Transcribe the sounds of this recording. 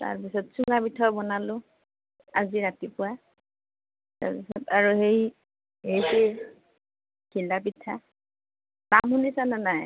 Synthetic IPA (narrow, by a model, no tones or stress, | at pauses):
ta̰ɹp̬isɔtsuŋɡabitʰabɔnalʊ | aziɹatipʊwa | ta̰ɹpisɔtaɹuhej | hejse | kʰilabitʰːa | lamhunisananaj